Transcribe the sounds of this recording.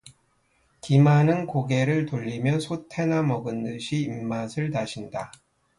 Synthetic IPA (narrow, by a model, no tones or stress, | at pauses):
kimanɯnkoɡe̞ɾɯɭtoʎːimjʌnsʰotʰe̞namʌɡɯndɯɕʰiːmːasʰɯɭtaɕʰinda